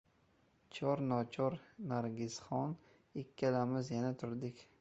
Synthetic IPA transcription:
t͡ʃʰɒɾnɒt͡ʃʰɒɾnaɾɡʲɪz̥χɒn | ɪkʲʰːalamɪzjanat̪ʰʊɾd̪ɪkʲ

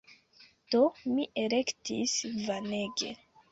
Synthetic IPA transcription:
d̥omiʔelektisvane̞ɡḛ

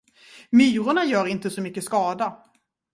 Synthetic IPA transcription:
myːɾʊɳajœːɾɪnt̪əsɔmʏkːəskɑːd̪a

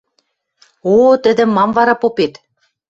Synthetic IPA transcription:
ot̪ə̆d̪ɘ̆mːɑmvɑɾɑpopet̪

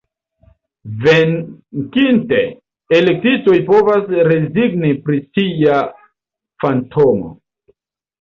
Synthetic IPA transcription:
vekinte̞ː | lek̚tito̞jpo̞vasɾe̞ziɡnipɾisia | fantʰo̞mo̰

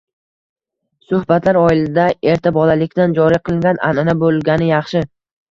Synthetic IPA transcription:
sʊhbat̪laɾɒɪlɪd̪ae̞ɾt̪ʰabɒlalɪkʲd̪and͡ʒɒɾiqʰɨlˠɪŋɡʲana̰nɪnabolˠɡʲanɪjɑχʃɪ

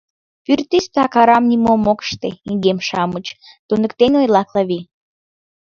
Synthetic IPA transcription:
pyrt̪ist̪ɑkɑɾɑmnʲimomokə̥ʃt̪eiŋɡemʃɑmət͡ɕ | t̪unə̆kt̪enʲojlɑklɑβi

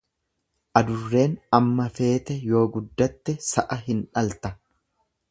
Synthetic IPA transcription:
ʔɐd̪ʊrːe̞ːnɐmːɐfe̞ːt̪ɛjo̞ːɡʊd̪ːɐt̪ːɛsɐʔɐɦɪnᶑɐlt̪ɐ

